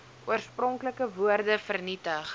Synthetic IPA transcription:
uərsprɔŋkləkəvuərdəfərnitəχ

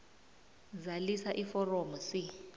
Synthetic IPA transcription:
zalisaʔifɔrɔmɔsi

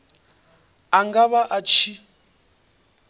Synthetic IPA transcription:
aŋɡaβaʔat͡ʃʰi

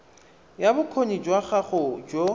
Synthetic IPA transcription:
jabʊkʰonid͡ʒwaχaχʊd͡ʒo

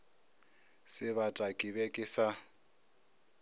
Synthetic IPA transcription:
sɪβatʼakʼiβɛkʼɪsa

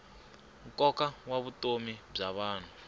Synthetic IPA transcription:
ŋkʼɔkʼawaβutʼomib͡ʐaβaːn̤u

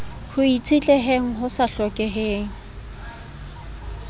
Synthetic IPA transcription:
hʊit͡sʼʰit͡ɬʼeɦeŋ̩ɦʊsaɬɔkʼɛɦeːŋ̩

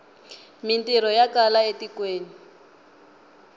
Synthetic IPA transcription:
mintiɾɔjakalaetikweːni

